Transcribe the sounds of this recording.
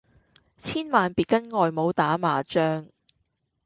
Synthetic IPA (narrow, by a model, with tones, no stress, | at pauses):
t͡sʰiː˥nmaː˨npiː˨t̚kɐ˥nŋɔː˨jmo˨˧wt̪aː˨˥maː˨t͡ʃœː˥ŋ